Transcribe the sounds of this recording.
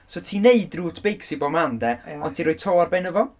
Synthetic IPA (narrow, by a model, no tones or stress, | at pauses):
sotʰiːneɨdruːtʰb̥ejksibɔmandɛɔntʰiːɾoːɨ̥tʰoːarbɛnəvɔ